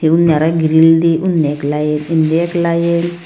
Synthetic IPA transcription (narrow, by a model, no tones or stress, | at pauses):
eunːaɾaɡiɾildiʔunːeklajenindiɛklajen